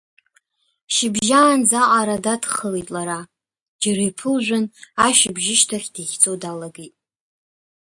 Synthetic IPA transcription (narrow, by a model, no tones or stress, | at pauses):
ʃɪbʒaːnd͡zaʔʼaɾadadχəlejtʼlaɾa | d͡ʒaɾejpʰɨlʒᶣʷʊnaʃɪbʒɪʃtʰaχʲdiχʲt͡sʼodalaɡitʼ